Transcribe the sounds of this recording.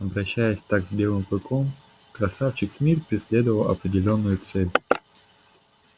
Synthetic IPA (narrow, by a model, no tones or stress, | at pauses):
ɐbɾɐɕːæjəsʲt̪aɡzbʲe̞lˠɨmpɨkʰom | kɾɐsaft͡ɕɪksmʲirpɾʲɪsʲlʲe̞d̪əvəlˠɐ̰pɾʲɪdʲɪlʲo̞nːʊjʊt̪sɛlʲ